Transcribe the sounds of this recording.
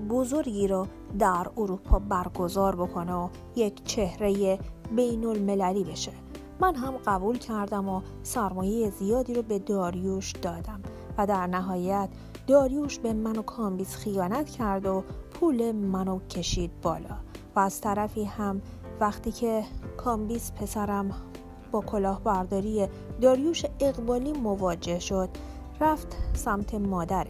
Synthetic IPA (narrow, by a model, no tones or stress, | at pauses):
bozo̞ɾɡiːɾɔ | d̪æɾoɾuːpʰɒːbæɾɡo̞zɒːɾbo̞kʰo̞neo | jecʰt͡ʃʰe̞hɾejebe̞jno̞lme̞læliːbe̞ʃe̞ | mænɦæmɢæbuːlcʰæɾd̪æmo | sæɾmɔːje̞jezijɒːd̪iːɾobe̞d̪ɒːɾjuːʃd̪̥ɒːd̪æm | væd̪æɾnæɦɒːjæt̪ʰ | d̪ɒːɾjuːʃbe̞mæno̞kʰɒːmbiːsxijɒːnæt̪ʰcʰæɾd̪opʰuːle̞mænocʰe̞ʃiːd̪̥̚bɒːlɒ̰ːvæːz̥t̪ʰæɾæfiːhæm | væxt̪iːcʰe̞kʰɒːmbiːspʰe̞sæɾæm | b̥ɒːkʰo̞lɒːhbæɾd̪ɒːɾije | d̪ɒːɾjuːʃeeɣbɒːliːmovɒːd͡ʒe̞hʃod̪̥ | ræft̪sæmt̪ʰe̞mɒːd̪æɾ